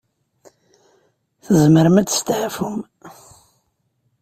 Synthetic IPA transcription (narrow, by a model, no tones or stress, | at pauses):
θəzməɾəmæt͡sːst̪ʕafum